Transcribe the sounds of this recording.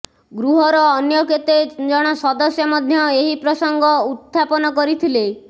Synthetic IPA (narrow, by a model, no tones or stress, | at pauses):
ɡɾuɦɔɾɔːnjɔket̪ed͡ʒɔɽ̃ɔsɔd̪ɔsjɔmɔd̪ʱjɔeɦipɾɔsɔŋɡɔut̪ʰːapɔnɔkɔɾit̪ʰile